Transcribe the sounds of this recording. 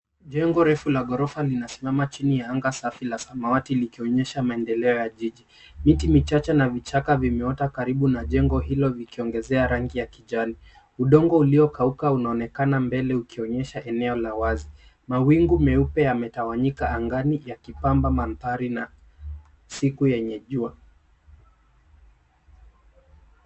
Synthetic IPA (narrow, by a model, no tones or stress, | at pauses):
ʄɛŋɡɔɾɛfulaɠɔɾɔfalinasimamat͡ʃinijaaŋɡasafilasamawatilikiɔɲɛʃamaɛndɛlɛɔjaʄiʄi | mitimit͡ʃat͡ʃanavit͡ʃakavimɛɔtakaɾiɓunaʄɛŋɡɔɦilɔvikiɔŋɡɛzɛaɾaŋɡijakiʄali | uɗɔŋɡɔuliɔkaukaunaɔnɛkanambɛlɛukiɔɲɛʃaʔɛnɛɔlawazi | mawiŋɡumɛupɛamɛtawaɲikaːŋɡanijakipambamantaɾina | sikujɛɲɛʄua